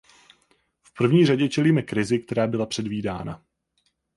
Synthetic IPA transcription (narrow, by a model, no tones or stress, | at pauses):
fpr̩vɲiːraɟɛt͡ʃɛliːmɛkɾɪzɪk̚t̪ɛɾaːbɪlapr̥ɛdviːda̰ːna̰